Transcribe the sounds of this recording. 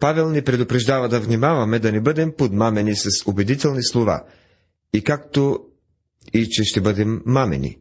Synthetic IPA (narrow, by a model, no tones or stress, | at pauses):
pavɛlˠnɛpɾɛd̪ʊpɾɛʒd̪avɐd̪ɐvnimavɐmɛd̪ɐnɛbɤd̪ɛmpot̪mamɛnisɐsobɛd̪it̪ɛlˠnislˠova̰ | ikak̚t̪o | it͡ʃɛʃt̪ɛbɤd̪ɛmːamɛ̰nḭ